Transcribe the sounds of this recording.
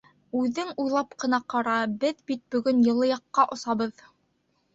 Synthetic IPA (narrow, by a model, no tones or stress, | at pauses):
ʉðɘŋujlˠɑpqɤ̆nɑqɑɾɑbɘðbit̪̚bɵ̆ɡɵnjɤ̆lˠɤ̆jɑqːɑʔŏsɑβɤð